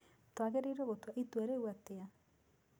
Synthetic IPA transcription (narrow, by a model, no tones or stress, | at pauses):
twaɣeɾeiɾoɣotwaʔitwaɾeuwatea